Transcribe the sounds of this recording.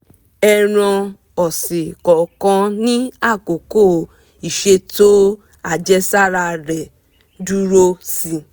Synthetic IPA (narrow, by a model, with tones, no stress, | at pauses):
ɛ˧ɾ̃ɔ̃˧ | ɔ˨si˨kɔ˨˦kɔ̃˦nĩ˦a˦˨ko˨ko˦˨ | i˨ʃe˧to˦ | a˦˨d͡ʒɛ˦sa˦˨ɾa˧ɾɛ˨ | du˦ɾo˦si˧